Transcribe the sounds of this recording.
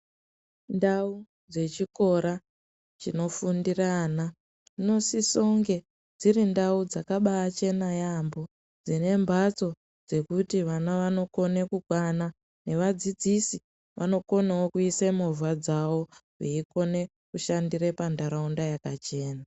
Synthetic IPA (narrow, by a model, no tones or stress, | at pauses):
ndau | d͡ze̞t͡ʃiko̞ɾa | t͡ʃino̞fundirana | no̞siso̞ŋɡe̞ | d͡zirindaud͡zakaɓaːt͡ʃe̞najambo̞ | d͡zine̞mbat͡so̞ | d͡ze̞kutiʋanaʋano̞ko̞ne̞kukwana | ne̞ʋad͡zid͡zisi | ʋʔa̰no̞ko̞nawokuisemovwad͡zawo̞ɦiiko̞ne̞ | kuʃandiɾe̞pandaɾaundajakat͡ʃe̞ːna